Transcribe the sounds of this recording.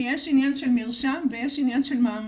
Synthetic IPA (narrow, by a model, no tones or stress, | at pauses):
ɛʃinjanʃelmiʁʃamvejeʃinjanʃelmaːm